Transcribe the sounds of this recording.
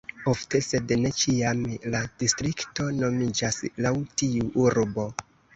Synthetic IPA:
o̞fte̞se̞dne̞t͡ʃiamlad̥istɾikto̞no̞mid͡ʒaslawtiuʔuɾbo̞

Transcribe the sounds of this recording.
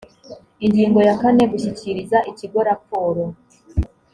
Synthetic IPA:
iɲɟiːŋɡo̞jakane̞ɡuʃiciɾizaʔiciɡo̞ɾapoːɾo

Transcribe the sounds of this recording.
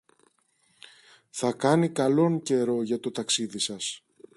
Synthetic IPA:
θɐkɐnikɐlo̞ŋce̞ɾo̞ʝɐt̪o̞t̪ɐksiðisɐs

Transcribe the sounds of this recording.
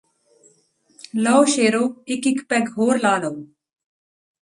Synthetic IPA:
lɔwʃeːɾoːɪkɪkpɛɡɦoːɾlaːloː

